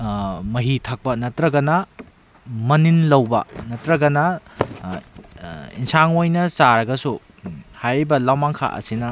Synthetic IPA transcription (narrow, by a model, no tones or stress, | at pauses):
mɐɦitʰɐk̚pɐnɐtɾɐɡɐnɐ | mɐninlɐwbɐ̰nɐtɾɐɡɐnɐ | ḭnsaŋojnɐsaɾɐɡɐsu | hajɾibɐlawmaŋkʰa̰ʔɐ̰sinɐ